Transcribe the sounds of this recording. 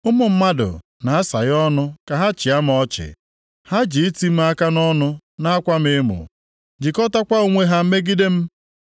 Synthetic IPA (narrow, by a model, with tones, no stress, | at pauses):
ʊ˦mʊ˨m̩˦ma˦dʊ̰˨ | na˨a˦sa̰˨ɣɔ˦nʊ˦ka˨ɦa˦t͡ʃɪ˨a˦m˨ɔ˦t͡ʃɪ̰˨ | ha˦d͡ʒi˨˦ti˦m̩˦a˦ka˦nɔ˦nʊ˦ | na˦a˦kʷa˦m̩ɪ˦mʊ̰˨ | d͡ʒi˨kɔ˦ta˦kʷa˦o˨ŋʷe˦ɦa˦m̩˦me˦ɡi˦de˦m̩˦